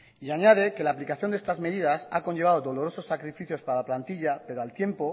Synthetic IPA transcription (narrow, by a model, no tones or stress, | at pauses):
iaɲað̞e̞ke̞laːplikaθjond̪est̪azme̞ðiðasako̞ɲʝe̞βaðo̞ðo̞lo̞ɾo̞so̞sːakɾifiθjo̞spaɾalaplant̪iʎape̞ɾo̞alt̪je̞mpo̞